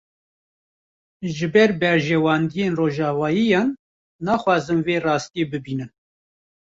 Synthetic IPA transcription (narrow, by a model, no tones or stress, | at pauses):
ʒɨbɛɾbɛɾʒɛwɑːnd̪ijeːnroːʒɑːvɑːjijɑːnː | ɑːxwɑːzɨnveːrɑːst̪ijeːbɨbiːnɨn